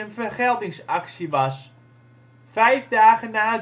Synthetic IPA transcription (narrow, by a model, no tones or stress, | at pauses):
ənfərχɛlˠdɪŋsaksiʋɑs | fɛjfdaːɣənaː